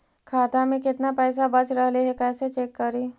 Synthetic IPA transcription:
kʰaːt̪amẽkɪt̪napɛːs̬abɐt͡ʃɾəɦleɦɛkɛːset͡ʃeːkːəɾiː

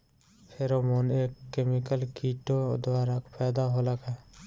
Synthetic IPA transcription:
pʰeɾomoːneːkːemɪkəlkiːʈod̪waːɾakpʰɛːd̪aɦolaɡaː

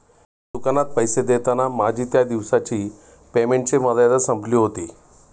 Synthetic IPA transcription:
t̪ukanat̪̚pəjsed̪et̪anamad͡ʑʱiːt̪jad̪iʋsat͡ɕiː | pemeɳʈt͡seməd̪jad̪əsəmbʱliːɦot̪iː

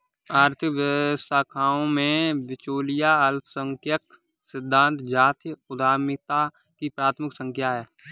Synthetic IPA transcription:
aːɾt̪ʰəʋjəəst̪ʰaːkʰaːõmẽʋɪt͡ʃoːlijaɐlsəŋkʰjək | sɪd̪ʱːãːnt̪d͡ʒaːt̪ʰjəʊd̪aːɾmɪk̚t̪a | kipɾaːt̪ʰmɪksə̃ŋkʰjaɦɛː

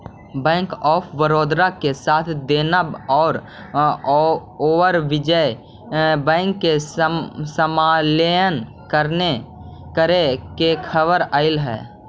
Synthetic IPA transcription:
bɛ̃ːŋkɔːpʰwəɾoːd̪ɾakesaːt̪ʰd̪eːnəbɔːɾ | oːʋəɾʋɪd͡ʒə | bɛ̃ːŋkːe | səmaːlejən | kəɾnekəɾekekʰəbəɾaːɪlɦɛ̰ː

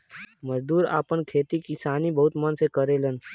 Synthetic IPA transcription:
məzd̪uːɾa̰ːpənkʰeːt̪ikisaːnibəɦʊt̪mənsekəɾeːlən

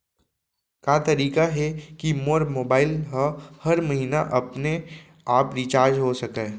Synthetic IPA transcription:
kaːt̪ɐɾiːkaɦɛkimoːɾmoːbaːɪlɦəhɐɾmɐɦiːnaʔɐpne | aːpɾit͡ʃaːɾd͡ʒɦosɐkẽː

